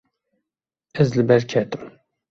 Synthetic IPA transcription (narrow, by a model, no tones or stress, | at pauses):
ɛzlɨbɛɾkʰɛt̪ɨm